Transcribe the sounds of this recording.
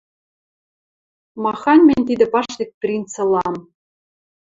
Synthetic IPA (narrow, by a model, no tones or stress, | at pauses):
mɑxɑnʲmʲenʲt̪id̪ɘ̆pɑʂd̪ʲĕk̚ʲprʲint͡sɤ̆lˠɑm